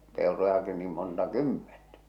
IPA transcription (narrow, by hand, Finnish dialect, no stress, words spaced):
peˑorojɑki niːm montɑ kymːentæ̥